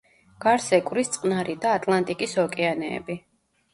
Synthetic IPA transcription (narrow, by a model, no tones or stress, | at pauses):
ɡ̥aɾsɛkʼwɾist̪sʼqʼnaɾid̪aːt̪ʼlˠant̪ʼikʼisɔkʼɛanɛ̰ːbi